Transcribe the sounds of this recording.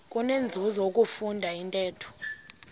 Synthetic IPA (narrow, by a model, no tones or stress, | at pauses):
kʼunend͡zʱuzɔokʼufundʱaintʼɛːtʰu̥